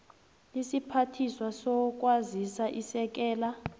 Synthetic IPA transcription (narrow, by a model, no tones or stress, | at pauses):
lisipʰatʰiswasɔk̬ʼwazisaʔisɛk̬ɛːla